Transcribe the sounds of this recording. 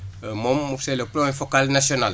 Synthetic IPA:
mɔmuseləpɾoẽfokalnasional

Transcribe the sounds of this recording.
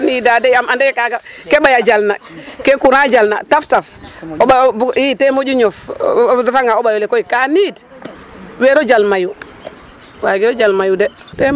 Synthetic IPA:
nidadɛjamandɛkaɡakebajad͡ʒalnakekuɾad͡ʒalna̰taftafobabitemod͡ʒuɲɔftafaŋɡaobajɔlekojikanid | wɛɾod͡ʒalmaju | waɡiɾod͡ʒalmajudɛ | tɛ

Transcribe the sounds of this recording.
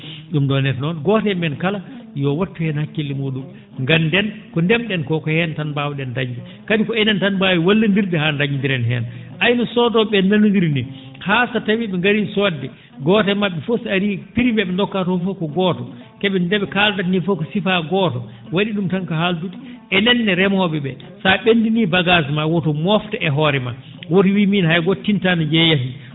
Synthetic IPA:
ɗumdɔnɛtnɔnɡɔtɛmɛnkalajɔwatːuhɛnhakːilːimuɗum | ŋɡandɛnkɔndɛmɗɛnkɔkɔhɛntanbawiɗɛndaɲd͡ʒɛ | kadikɔɛnɛntanbawiwalːindiɾdɛhandaɲindiɾɛnɦɛ̰nʔajnɔsɔdɔɓɛnanundiɾni | hasatawiɓɛŋɡaɾisɔdːɛ | ɡɔtɛmaɓːɛfosaɾipiɾimbɛɓɛndɔkːatɔfɔkɔɡɔtɔ | kɛɓɛndɛɓɛkaldanifɔkɔsifaɡɔtɔ | waɗiɗumtaŋkaɦaldutiʔɛnɛnːɛɾɛmɔɓɛɓɛ | saɓendinibaɡazmawɔtɔmɔftɛʔɛɦɔɾɛma̰ | wot̬iwiminhajɡotːintanad͡ʒɛjafi

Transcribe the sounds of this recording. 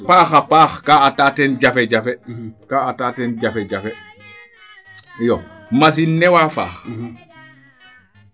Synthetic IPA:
paːxapaːxkaataːtɛnd͡ʒafɛd͡ʒafɛkaːatatɛnd͡ʒafɛd͡ʒafɛ | jomas̬inːɛwaːfa̰ːx

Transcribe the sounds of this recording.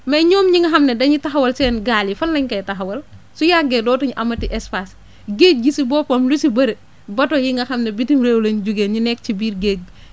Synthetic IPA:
mɐjɲoːmɲiŋɡɐxɐmnɛdɐɲitɐxɐwɐlsɛːnɡaːlifɐnlɐɲkɐjtɐɦɐwɐl | sujaɡedɔːtuɲiʔɐmɐtiʔɛspas | ɡeːk̚ɡisibɔːpɐmlusibɐɾe | bɐtojiŋɡɐxɐmnebitimɾeːwlenɟuɡeːnɲinɛk̚t͡ʃibiːɾɡeːk̚

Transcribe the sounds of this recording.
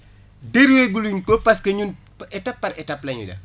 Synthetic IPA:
deɾweɡuluɲkɔpɐskɐɲun | ɛtɐpːɐɾɛtɐplɐɲṵdɐ̰

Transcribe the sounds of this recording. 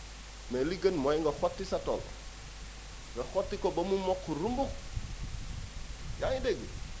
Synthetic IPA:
meliɡanmojŋɡaxotːisatol | ŋɡaxotːikobamumokːuɾumbu | jajideɡi

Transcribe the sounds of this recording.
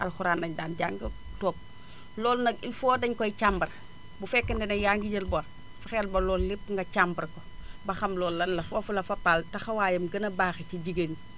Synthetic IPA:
ʔɐlxuɾaːnːɐɲdaːnɟaːŋɡɐtɔːp̚ | lɔːlnɐɡilfɔːdɐɲkɔit͡ʃambɐɾ | bufɛkːɐndɛnɐjaŋɡiɟɐlbɔɾ | fɐxɛlbɐlːɔːllipːŋɡɐt͡ʃambɐɾkɔbɐxɐmlɔːlːɐnlːɐfɔːfulɐfɐpaltɐxɐwaːjɐmɡɐnɐbaːxiciɟiɡəni

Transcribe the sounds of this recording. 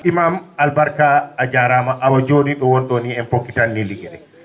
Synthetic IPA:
ʔimamalbaɾkaːd͡ʒaɾaːmaʔawad͡ʒoːniɗɔwɔnɗɔniɛnpokːitanːiliɡɛɾɛ

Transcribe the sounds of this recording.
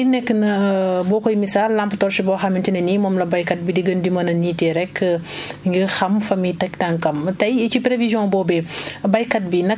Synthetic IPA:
inɛkːənɐbɔːkɔjmisaːlːamptɔɾsibɔxɐmintinɐnimɔmlɐbɐjkɐt̚bidiɡɐndimɐnɐniːtɛɾɛkː | ŋɡixɐmfɐmitɐk̚taŋkɐmtɐjit͡ʃipɾevizjɔ̃ːbɔːbɛbɐjkɐt̚binɐ

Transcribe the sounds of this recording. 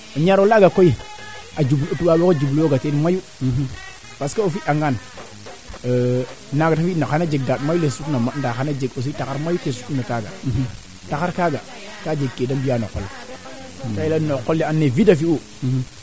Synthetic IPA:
ɲaɾolaɡakoiad͡ʒublotuɓawokod͡ʒubloɡatenmaju | paskaofiʔaŋɡan | naɡatafinaanad͡ʒeɡ̚datmjulesutnamandaxanad͡ʒeɡos̬itakaɾmajutesu̥unakaɡa̰ | takaɾkaɡa | kad͡ʒeɡkːedambijano̰kːolː | kailanokːolːeanːevidafiu

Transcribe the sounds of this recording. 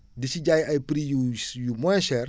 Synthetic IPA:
disiɟajajpɾijujumɔ̃ʃɛɾ

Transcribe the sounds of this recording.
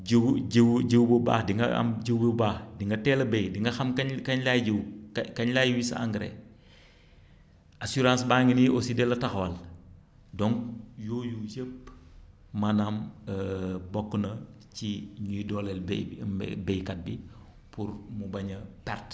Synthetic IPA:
ɟwɟəwɟəwbəba̰ːxdiŋɡɐɐ̰mɟəwbəbaːxdiŋɡɐtɛːlɐbejdiŋɡɐxɐmkɐkɐɲlajɟiwkɐɲlaːjwisɐ̰a̰ŋɡɾɛ̰ | asuɾãːnsbaŋiniosidɛlɐtɐxwɐl | dɔŋkjoːjujəpː | mɐnaməbɔkːunɐ | ciɲujidɔlɛlb̰ | bɛjkɐt̚bi | pʰuɾmubɐɲɐpɛrt

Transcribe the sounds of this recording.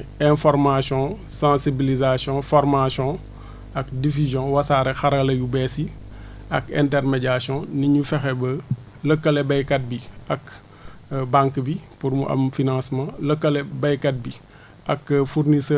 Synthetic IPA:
ɛ̃fɔɾmasjɔ̃sãːsibilizasjɔ̃fɔɾmasjɔ̃ | ɐkdifizjɔ̃wɐsaːɾɛxɐɾɐlɐjubɛsi | ɐkɛ̰̃ntɛrmɛɟasjɔ̃niɲufɛxɛbə | ləkːɐlɛbɐjkɐt̚biɐk | bãŋkbipuɾmuʔɐ̰mfinãsmãləkːɐlɛbɐjkɐt̚bi | ʔɐkfurnisəː

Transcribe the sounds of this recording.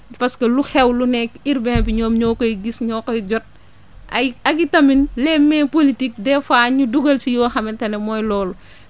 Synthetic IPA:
pɐskɐluxɛwlunɛkiɾbɛnbiɲɔːmɲɔːkɔjɡisɲɔːkɔjɟɔt̚ | ʔɐɐɡitɐminlɛːmːɛpolitik̚dɛfaːɲuduɡɐlsijɔːxɐmɛtɐnɛmɔjlɔːlu

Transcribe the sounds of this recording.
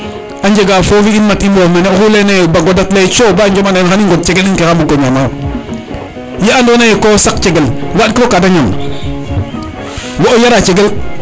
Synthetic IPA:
and͡ʒeɡafofiinmatimboːmanexulenejobaɡodatlet͡ʃoband͡ʒomannxaniŋɡot̚t͡ʃeɡelinkexambuɡoɲamawo | jeandonajekosak̚t͡ʃeɡelwaɗkiokadaɲam | woʔojaɾat͡ʃeɡel

